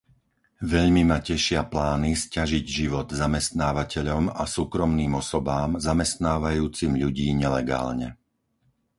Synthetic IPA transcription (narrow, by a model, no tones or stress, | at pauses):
ʋɛʎmimacɛʃɪaplaːniscaʒiɟʒiʋɔd̪zamɛst̪naːʋacɛʎɔma̰suːkɾɔmniːmɔsɔbaːmzamɛst̪naːʋajuːt͡simʎuɟiːɲɛlɛɡa̰ːlɲɛ̰